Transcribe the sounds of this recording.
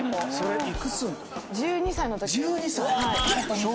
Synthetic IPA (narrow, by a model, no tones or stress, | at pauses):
so̞ɾeikɯsɨ̃n | d͡ʑɨːɲ̟isainot̪od͡ʑɯːɲisa | o